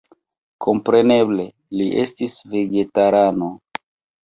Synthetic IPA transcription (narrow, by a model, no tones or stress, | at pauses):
kʰo̞mpɾe̞ne̞ble̞ | liʔe̞stisve̞ɡe̞taɾano̞